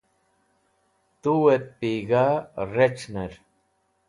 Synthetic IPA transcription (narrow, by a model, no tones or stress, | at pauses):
t̪uwet̪̚piɡaɾet͡ɕneɾ